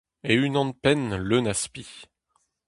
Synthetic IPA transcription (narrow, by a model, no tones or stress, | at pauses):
eynɑ̃npɛnlønaspi